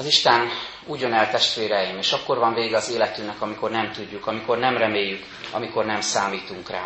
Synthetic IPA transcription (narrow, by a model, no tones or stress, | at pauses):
ɒziʃt̪ɛn | uːɟo̞nɛlt̪ɛʃt̪ʋeːɾɛjimeːʃɒkːo̞rvɒɱveːɡɛɒzeːlɛt̪ymnɛkɒmiko̞rnɛmt̪uɟːukɒmiko̞rnɛmrɛmeːjːyk | ɒ̰miko̞rnɛmsaːmiːt̪uŋkra̰ː